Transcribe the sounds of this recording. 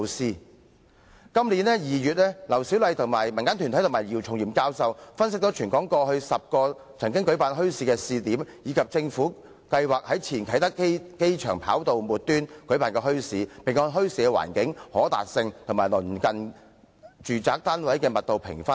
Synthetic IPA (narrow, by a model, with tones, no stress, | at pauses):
wsiː˥ | kɐ˥mliː˨˥nlɛː˥jiː˨jyː˨t̚lɛː˥lɐ˨˩wsi˨˥wlɐ˨˧jt̪ʰʊ˨˩ŋma̰ː˨˩jmɐ˨˩nkaː˥nt̪ʰy˨˩t̪ʰjt̪ʰmaː˨˩jiː˨˩wt͡ʃʰʊ˨ŋjiː˨˩mkaː˥wsɐ˧wfɐ˥ns̬ɪ˥k̚t̪ɔ˨˥t͡ʃʰyː˨˩nkɔː˨˥ŋkɔː˧hɵ˧ɥsɐ˨p̚kɔː˧ | t͡sʰɐ˨˩ŋkɪ˥ŋkɵ˨˥ɥpaː˨nɦɵ˥ɥsiː˨˧kɛː˧siː˨t̪iː˨˥mjiː˨˧kʰɐ˨p̚t͡sɪ˧ŋfuː˨˥ | kɐ˧jwaː˨k̚hɐ˨˥jt͡sʰiː˨˩nkʰɐ˨˥jt̪ɐ˥kke˥jt͡ʃʰœː˨˩ŋpʰa̰ː˨˥wt̪o˨wmuː˨t̚t̪yː˥nkɵ˨˥ɥpaː˨˧nkɛː˧ɦɵ˥ɥsiː˨˧pɪ˨ŋkɔː˧nɦɵ˥ɥsiː˧kɛ˧wa̰ː˨˩nkɪ˨˥ŋhɔː˨˥t̪a̰ː˨t̚sɪ˧ŋt̪ʰʊ˨˩maː˨˩jlɵ˨˩nkɐ˨n | t͡ʃyː˨˩t͡saː˨k̚t̪aː˥nwɐ˨˥jkɛː˧mɐ˨t̚t̪o˨wpʰɪ̰˨˩ŋfɐ˥n